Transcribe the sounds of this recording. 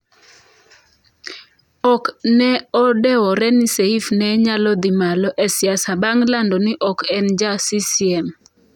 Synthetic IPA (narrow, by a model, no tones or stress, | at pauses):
ɔknɛɔdɛwɔɾɛniseifnɛɲalɔd̪ɪmalɔʔɛsjasabaŋlandɔnɪʔɔkɛnd͡ʒasisiɛm